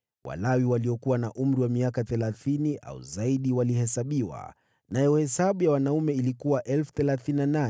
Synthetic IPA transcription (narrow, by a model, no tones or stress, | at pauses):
wa̰lawiwaliɔkuwanaʔum̩ɾiwamiakaθɛlaθiniʔa̰ṵzaiɗiwalihɛsaɓiwa̰ | najɔhɛsaɓujawanaumɛilikuwaʔɛlfu̥θɛlaθininana